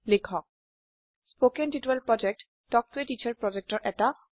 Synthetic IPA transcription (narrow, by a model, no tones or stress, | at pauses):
lekʰɔk̚ | spokɛntitɛlpɹɔd͡ʒɛk̚t | dɔk̚tuetit͡ʃʰaɹpɹɔd͡ʒɛk̚tɔɹʔɛta